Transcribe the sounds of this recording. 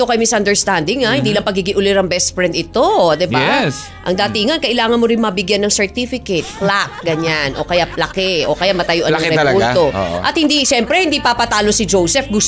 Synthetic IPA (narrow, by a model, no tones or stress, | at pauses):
okɐjmɪsɐnd̪ɛɹst̪and̪ɪŋahɪnd̪iːlɐŋpɐɡiɡɪŋʔʊlɪɾɐŋbɛst̪fɹɛnt̪ɪt̪od̪ɛba | ʔɐŋd̪aːt̪ɪŋɐnkɐʔɪlaːŋɐnmoɾɪnmɐbɪɡjanːɐŋsɛɹt̪ifɪkɛt̪̚plakɡɐɲanʔo̞kɐjapɐlɐkɛʔo̞kɐjamɐt̪ɐjoʔɐɾɛult̪oʔʔɐt̪hɪnd̪iʃɛmpɾɛhɪnd̪ipapɐt̪aːlosɪd͡ʒowsɛfɡʊs